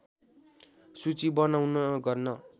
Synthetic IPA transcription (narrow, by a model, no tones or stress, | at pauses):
sut͡sibʌnawnʌɡʌrnʌ